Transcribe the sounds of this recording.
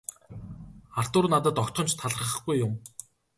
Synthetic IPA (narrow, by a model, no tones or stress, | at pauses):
ar̥t̪ʊːrnat̪ə̆t̪ɔkt̪χɞ̆nt͡ɕt̪ʰaɮ̆ə̆χə̆χɡujːʊm